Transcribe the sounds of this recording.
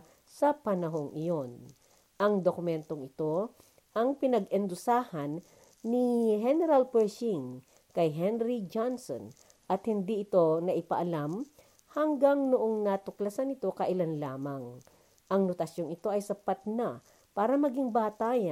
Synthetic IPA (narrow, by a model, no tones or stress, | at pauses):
sɐpɐnɐɦo̞ŋʔɪjon | ʔɐŋd̪okʊmɛnt̪oŋɪt̪o̞ | ʔɐŋpɪnɐɡɛnd̪ʊsaːhɐnː | iɦɛnɛɾalpɛʃiŋ | kɐjɦɛnɾid͡ʒanso̰n | ʔɐt̪hɪnd̪iʔɪt̪o̞nɐʔɪpɐʔɐlam | hɐŋɡaŋnʊʔoŋnɐt̪ʊklɐsanɪt̪o̞kɐʔɪlanlaːmɐŋ | ʔɐŋnot̪ɐsjo̞ŋɪt̪o̞ʔɐjsɐpat̪̚nɐ | paːɾɐmɐɡiŋbaːt̪aːjɐ